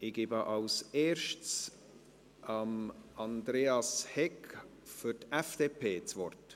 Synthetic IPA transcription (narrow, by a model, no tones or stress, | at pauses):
ɪɡ̥ɪːbəʔɑlseːɾʃts | ʔɑmɑnd̪ɾeːɑshɛk | fyɾtɛfd̥eːpʰeːt͡svɔrt